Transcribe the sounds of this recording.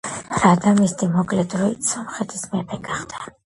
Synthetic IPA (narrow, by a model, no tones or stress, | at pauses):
ɾad̪amist̪ʼimɔkʼlɛd̪ɾuisɔmχɛt̪ʰismɛpʰɛɡ̥aχd̪a